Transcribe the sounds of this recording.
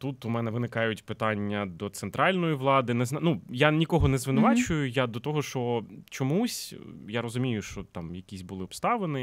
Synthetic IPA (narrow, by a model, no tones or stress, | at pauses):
t̪ut̪ʊmɛnɛʋɪnɪkɑjʊtʲpɪt̪ɑnʲːɐd̪ɔt̪sɛnt̪ɾʔɑlʲnɔjiʋlˠɑd̪ɪnɛznnujanʲikɔɦɔnɛzʋɪnʊʋɑt͡ʃʊjʊjad̪ɔt̪ɔɦɔʃt͡ʃɔt͡ʃɔmusʲjaɾɔzʊmʲijʊʃt͡ʃɔt̪ɑmjɐkʲisʲbʊlˠɪɔpst̪ɑʋenɪ